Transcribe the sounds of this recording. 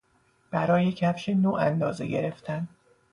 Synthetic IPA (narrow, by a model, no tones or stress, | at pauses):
b̥æɾɒːje̞cʰæfʃenoːʔænd̪ɒːze̞̰ɟe̞̰ɾeft̪ʰæn